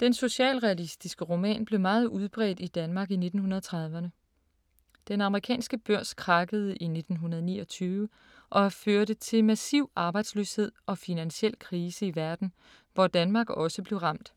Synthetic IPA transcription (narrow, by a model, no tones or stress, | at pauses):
d̥enso̝ɕɛ̰ːlʁɛælisd̥isɡ̥əʁo̝mɛ̰ːnb̥le̝ʊmɑ̈ːð̞̩ˠʔuð̞ˠb̥ʁɛ̰ːd̥id̥ænmɑ̈ːɡ̥ine̝d̥n̩hunɐðˠt͡sʰʁɑ̈ð̞ˠʋɐnə | d̥enɑ̈məʁikʰɛ̰ːnsɡ̥əb̥øɐ̰skʰʁɑ̈ɡ̥əð̞̩ˠʔine̝d̥n̩ɦunɐð̞ˠnḭːɒ̽t͡sʰyːʋə | ʔɒ̽føɐɾət͡sʰe̝lmæsiʊ̰ɑ̈ːb̥ɑ̈ɪd̥sløːshe̝ð̞̰ˠɒ̽finænɕiel̰kʰʁiːsəiʋæɐd̥n̩ | ʋɒd̥ænmɑ̈ːɡ̥ɒ̽səb̥le̝ʊʁɑ̈m̰d̥